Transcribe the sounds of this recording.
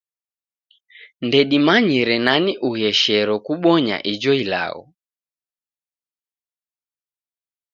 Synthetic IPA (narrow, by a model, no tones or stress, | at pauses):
ndɛɗimaɲiɾɛnaniʔuhɛʃɛɾɔkuɓɔɲa̰ʔid͡ʒɔila̰ɣɔ̰